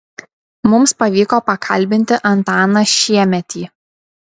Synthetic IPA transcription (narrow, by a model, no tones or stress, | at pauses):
mʊmspɐʋʲiːkoːpɐkʰɐlʲˑbʲɪnʲt̪ʲɪʔɐnt̪ɑːnɐʃʲiɛmʲɛt̪ʲiː